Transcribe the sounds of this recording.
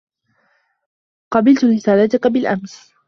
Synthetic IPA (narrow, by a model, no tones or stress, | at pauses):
qɑbɪlt̪ʊɾɪsaːlat̪ʊkabɪlʔa̰ms